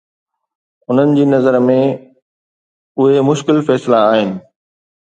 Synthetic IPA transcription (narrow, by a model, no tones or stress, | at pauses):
ʊn̤ənɪ̆d͡ʑiːnɐzəɾmẽ | ʊɦemʊʃkɪlfɛːslaːɦɪnɪ̆